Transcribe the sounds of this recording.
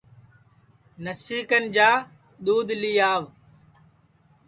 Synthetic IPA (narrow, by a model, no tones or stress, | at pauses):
nəsiːkənd͡ʒaː | ɗ̪uːd̪lijaːʋ